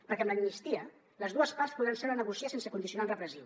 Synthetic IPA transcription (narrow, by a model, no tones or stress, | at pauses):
pəɾkɛəmləimnist̪iə | ləzðuəspaɾspuðɾanseɾənəɣusiasensəkund̪isiunaunrəpɾəzi